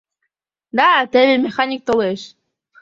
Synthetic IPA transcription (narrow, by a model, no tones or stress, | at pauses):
d̪at̪eβemʲexanʲik̚t̪oleʃ